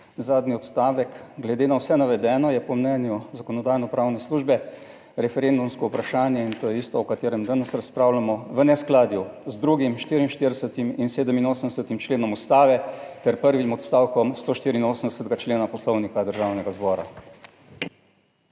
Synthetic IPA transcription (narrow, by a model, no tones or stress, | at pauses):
zaːd̪niɔt̪st̪aːʋɛkɡlɛd̪eːnawsɛnaʋɛd̪ɛːnɔjɛpɔmnɛnjuzakɔnɔd̪aːjnɔpɾaːwnɛsluːʒbɛ | ɾɛfɛɾend̪umskɔupɾaʃaːnjɛint̪oːjɛist̪ɔɔkat̪eːɾɛmd̪anɛsɾaspɾaːwlamɔʋənɛsklaːd̪juzd̪ɾuɡimʃt̪iːɾinʃt̪iɾd̪ɛsət̪iminseːd̪əminoːsəmnd̪ɛsət̪imt͡ʃleːnɔmust̪aːʋɛt̪ɛɾpəɾʋimɔt̪st̪aːwkɔmst̪oːʃt̪iːɾiinoːsəmd̪ɛsət̪ɡat͡ʃleːnapɔslɔwnikad̪əɾʒawnɛɡazbɔɾa̰